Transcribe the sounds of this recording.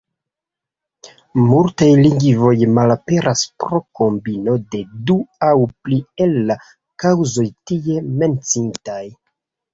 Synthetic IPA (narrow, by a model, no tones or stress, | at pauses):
multajliŋɡivo̞jmalape̞ɾʔaspɾo̞ko̞mbino̞de̞duawplielːa | kawzo̞jtije̞me̞nt͡sintaj